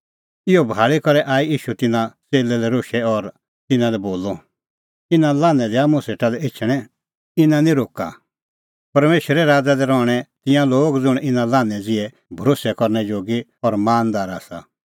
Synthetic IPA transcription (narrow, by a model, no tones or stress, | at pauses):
ɪɔbʱaːɭikɔɾɛʔaːiiːʃut̪ɪnãt͡seːlɛlɛɾoːʃɛɔɾ | t̪ɪnãlɛboːlɔ | ɪnãlãːnɛ̃d̪ɛamũseːʈalɛɪt͡ʃʰɽ̃ɛ̃ | ɪnãnĩɾoːka̰ | pɐɾmeːʃɾɛɾaːd͡zad̪ɛɾɔɽ̃ɛt̪ɪ̃jãloːɡd͡zʊɽ̃ɪnãlãːnɛ̃d͡zɪɛ | bʱɐɾoːsɛkɔɾnɛd͡ʒoːɡiɔɾmaːnd̪aːɾa̰ːsa̰